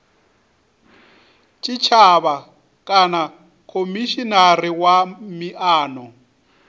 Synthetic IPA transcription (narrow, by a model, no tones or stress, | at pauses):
t͡ʃʼit͡ʃʰaβa | kʼana | kʰomiʃinariwamiʔaːnɔ